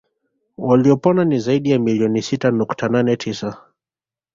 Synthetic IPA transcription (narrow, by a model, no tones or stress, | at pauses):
waliɔpɔnanizaiɗijamiliɔnisitanuktananɛtʰisa